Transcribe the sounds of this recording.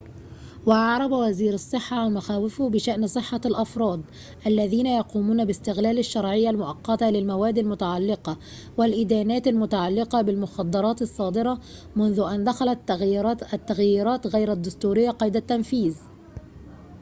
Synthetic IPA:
waʔɑʕɾˤɑbawaziːɾɑsˤːɨħːɑmaxaːwɪfʊbɪʃaʔnsˤɨħːɑlʔɑfɾˤɑːd̪ˤ | ʔalːæðiːnajɑquːmuːnabɪst̪ɪɣlæːlaʃːɑɾˤʕɪjːalmʊʔɑqːɑt̪alɪlmawæːd̪ːalmʊt̪aʕalːɪqɑ | wɪlʔɪd̪æːnæːt̪almʊt̪aʕalːɪqɑbɪlmʊxɑd̪ˤːɑɾˤɑːt̪ɑsˤːɑːd̪ɨɾɑ | mʊnðʊʔand̪axalat̪ | t̪ːaɣjiːɾˤɑːt̪ɣajɾad̪ːʊst̪uːɾɪjːaqɑjd̪at̪ːanfiːz

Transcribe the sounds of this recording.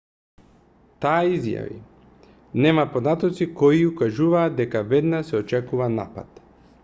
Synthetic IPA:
t̪aːizja̰vḭ | nɛmapod̪at̪ɔt̪sikɔiukaʒuvaːd̪̚d̪ɛkavɛd̪nasɛɔt͡ʃɛkuvana̰pa̰t̪

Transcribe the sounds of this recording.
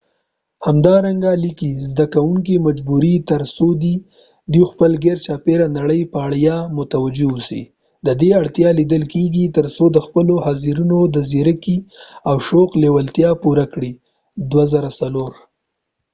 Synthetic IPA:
hamd̪ɑɾaŋɡalikizd̪akawuŋkimad͡ʒbuɾit̪əɾsod̪i | d̪uxpəlɡeɾt͡ʃɑpeɾanaɽəjpəaɽjɑmʊt̪awad͡ʒewusḭ | d̪əd̪eaɽt̪jɑlid̪əlkeɡit̪əɾsod̪əxpəlohaziɾunod̪əzeɾəkiawʃoqlewalt̪jɑpuɾakɽi | d̪wazaɾasaloɾ

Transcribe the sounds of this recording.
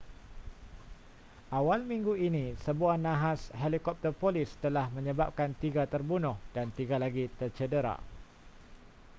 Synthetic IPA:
ʔawalmĩŋɡuinĩsəbuanãɦashelikɔp̚t̪ərpoliɪst̪əlahmə̃ɲəbap̚kant̪iɡat̪ərbunʊhd̥ant̪iɡalaɡit̪ərt͡ʃədəɾa̰

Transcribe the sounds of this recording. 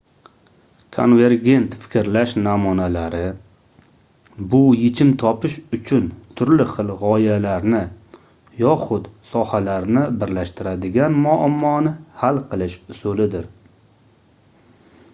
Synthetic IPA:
kʰo̰nve̞ɾɡʲe̞nt̪fɪ̥kʲɪɾlaʃnamʊnalaɾɪ | bʊjɪt͡ʃʰɪmt̪ʰɒpʰɪʃʊt͡ʃʰʊnt̪ʰʊɾlɪχɨlˠʁɒjalaɾnɪ | jɒχʊt̪sɒhalaɾnɪbɪɾlaʃt̪ʰɪɾad̪ɪɡʲanmʊamːɒnɪhalˠqʰɨlˠɪʃsʊlɪd̪ɪɾ

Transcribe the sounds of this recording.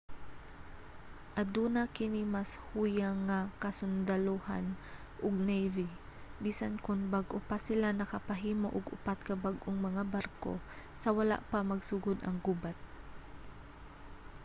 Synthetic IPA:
ʔɐd̪uːnakɪnimashuːjaŋːakɐsʊnd̪ɐloha̰n | ʔʊɡ̚nɛjvi | biːsankʊnbaɡʔopasɪlanɐkɐpɐɦiːmoʔʊɡʊ̰pat̪̚kɐbaɡʔʊŋmɐŋabaɾko̰ | sɐwɐla̰ʔpamɐɡsʊɡod̪ɐ̰ŋɡubat̪̚

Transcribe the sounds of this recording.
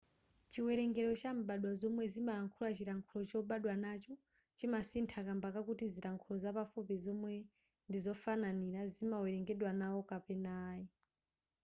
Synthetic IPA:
t͡ʃiwɛɾɛŋɡɛɾɔt͡ʃam̩ɓaɗwazɔmwɛzimaɾaŋkʰulat͡ʃiɾaŋkʰulɔt͡ʃɔɓaɗwanat͡ʃɔ | t͡ʃimasintʰakambakakutiziɾaŋkʰulɔzapafupizɔmwɛ | ndizɔfananiɾazimawɛɾɛŋɡɛɗwanawɔkapɛnaːji

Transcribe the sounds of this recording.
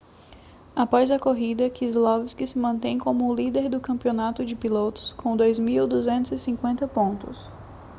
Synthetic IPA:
apɔzɐkoɦid̪ɐkizlɔvɪskɪsɪmɐ̃nt̪ẽj̃kõmʊlid̪eɾd̪ʊkɐ̃mpionat̪ʊd͡ʒɪpilot̪ʊ̥skʰõw̃d̪ojzmiwd̪uzẽnt̪ʊzɪsĩkwẽnt̪ɐpõnt̪ʊs

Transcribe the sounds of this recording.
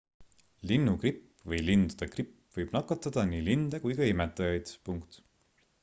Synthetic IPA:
linːukripː | vɤjlind̪ud̪̥ekripː | vɤjb̥nɑkːˑɑt̪ˑːɑd̪̥ɑniːlind̪̥ekujkɑimet̪ːˑɑjɑjd̪̥puŋkt̪

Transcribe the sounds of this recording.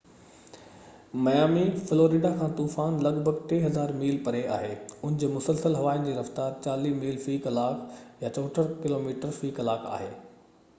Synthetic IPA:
mɐjaːmifɪloːɾiːɖakʰãːt̪uːfaːnlɐɡbʱəɡʈeːɦɐzaːɾmiːlpɐɾea̰ːɦeːʊnɪ̃d͡ʑeːmʊsəlsəlɦɐʋaːɪnd͡ʑiːɾɐft̪aːɾt͡ɕaːliːmiːlfiːkɐlaːkjat͡ɕɔːʈʰəɾkɪloːmiːʈəɾfiːkɐlaːkʰa̰ːɦḛː

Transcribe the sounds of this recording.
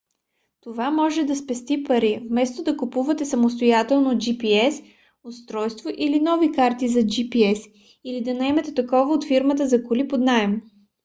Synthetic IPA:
t̪ovamɔʒɛd̪ɐspɛst̪ipɐɾivmɛst̪od̪ɐkupuvɐt̪ɛsɐmost̪ojat̪ɛlˠnod͡ʒipiɛs | ʊst̪ɾɔjst̪voʔilinɔvikaɾt̪izɐd͡ʒipiɛs | ilid̪ɐnɐɛmɛt̪ɛt̪ɐkɔvəot̪fiɾmət̪̬əzɐkʊlipod̪naɛm

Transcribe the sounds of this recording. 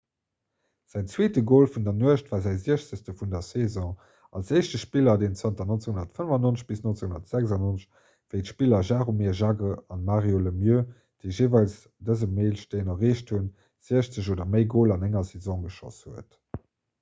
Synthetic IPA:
z̥æɪt͡sweːtəɡoːlfundɐnuəʃtvaːzæɪziəʃt͡səstəfundɐsezɔ̃ | ɑ̰lseɪʃtəʃpilɐdeːnt͡sɑntɐnont͡sehunɐtfənəvɑnonəɕb̥isnont͡sehundɐtz̥ækzɑnonəʃ | v̥əɪtʃpilɐʒaːʁomɛːʒɑɡəɑnmaːʁjoləmjø | d̥əɪʒeːvɑls | dəzəmeːlʃteɪnɑʁeːʃthun | z̥iəɕt͡səʑoːdɐməɪɡoːlɑnæŋɐsɛzɔ̃ːɡəʃɔ̰shuət

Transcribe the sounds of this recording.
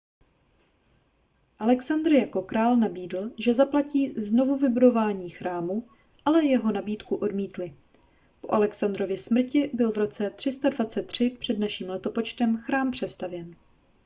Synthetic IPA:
ʔalɛksand̪rjako̞kɾaːlnabiːdl̩ʒɛzaplaciːzno̞vuvɪbudo̞vaːɲiːxɾʔaːmu | ʔalɛjɛɦo̞nabiːt̪kuʔo̞dmiːt̪lɪ | poʔalɛksand̪ɾo̞vjɪsmr̩cɪbɪlvɾo̞t͡sɛt̪r̥ɪst̪advat͡sɛt̪ːr̝̥ɪpr̥ɛdnaʃiːmlɛt̪o̞po̞t͡ʃt̪ɛmxɾaːmpr̝̥ɛst̪avjɛn

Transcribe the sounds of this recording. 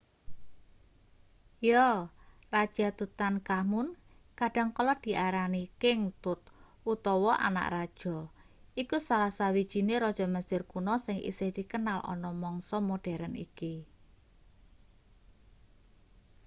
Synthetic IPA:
jɔ | rad̥ʒ̥at̪ut̪ankamʊn | kaɖ̥a̤ŋkɔlɔd̪̥i̤ʔaɾanikɪŋt̪ʊt̪̚ | ut̪ɔwɔʔa̰na̰ʔrad̥ʒ̥ɔ̤ | ikusalasawid̥ʒ̥i̤neɾɔd̥ʒ̥ɔ̤məsɪrkunɔsɪŋʔḭsɪhd̪̥i̤kənalʔɔ̰nɔmɔŋsɔmoɖ̥ɛ̤ɾənḭki

